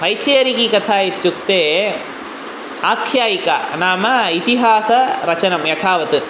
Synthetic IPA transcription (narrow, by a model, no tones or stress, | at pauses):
pɐjt͡ʃːeːɐɾikikɐt̪ʰaːjit͡ʃːuk̚t̪eː | aːkʰjaːjika̰naːmɐit̪iɦaːsɐɾɐt͡ʃɐnɐmjɐt̪ʰaːʋɐt̪ɯ